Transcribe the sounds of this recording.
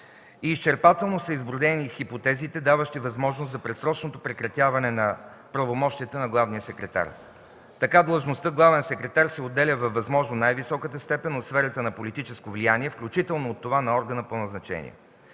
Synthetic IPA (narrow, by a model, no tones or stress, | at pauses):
iːst͡ʃɛɾpat̪ɛlˠnosəizbɾʊd̪ɛnixipot̪ɛzit̪ɛd̪avəʃt̪ivɐzmɔʒnoszɐpɾɛt̪sɾɔt͡ʃnot̪opɾɛkɾɐt̪ʲjavɐnɛnɐ | pɾɐvomɔʃt̪iət̪ənɐɡlˠavnijəsɛkɾɛt̪a̰ɾ | t̪ɐkad̪lˠəʒnost̪əɡlˠavɛnsɛkɾɛt̪aɾsɛod̪ːɛlʲəvɐvːɐzmɔʒnonajvisɔkət̪əst̪ɛpɛnot̪sfɛɾət̪ənɐpolit̪it͡ʃɛskovlijaniɛfklʲut͡ʃit̪ɛlˠnoːt̪ːovanɐɔɾɡənəponɐznɐt͡ʃɛ̰nḭɛ̰